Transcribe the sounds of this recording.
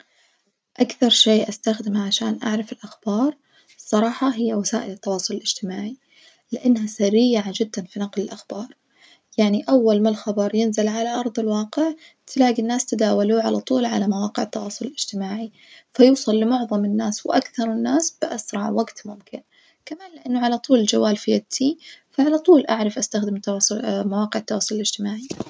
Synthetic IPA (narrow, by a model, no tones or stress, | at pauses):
ʔakθɑɾˤʃeːʔast̪axd̪ɪmaʕaʃaːnʔa̰ʕɾˤɑfɪlʔaxb̥ɑːɾˤ | sˤːɑɾˤɑːħɑɦɪjːawasaːʔɪlɪt̪ːɑwɑːsˤʊlɪlʔɪd͡ʒt̪ɪmaːʕi | lɪʔanːɦasɪrːɪjːaʕand͡ʒɪd̪ːanfinɑqlɪlʔaxbɑːɾˤ | jaʕniʔawːalmalxɑbɑɾˤjɪnzɪlʕalaʔɑɾˤðˤɪlwɑːqɪʕt̪ʰɪlaːɡinːaːst̪ad̪aːwaluʕalat̪ˤuːlʕa̰lamawɑːqɪʕɪt̪ːɑwɑːsˤʊlɪlɪd͡ʒt̪ɪmaːʕi | fajuːsˤɑlːɪmʊʕðˤɑmɪnːaːswʔakθɑɾˤɪnːaːsb̥ɪʔasɾˤɑʕwaɡt̪mʊmkɪn | kamaːnlɪʔanːʊʕalat̪ˤuːlɪld͡ʒawːaːlfɪjat̪ʰifaʕalat̪ˤuːlʔaʕɾˤɑfʔast̪axd̪ɪmt̪ɑmawɑːqɪʕɪt̪ːɑwɑːsˤʊlɪlɪd͡ʒt̪ɪmaːʕi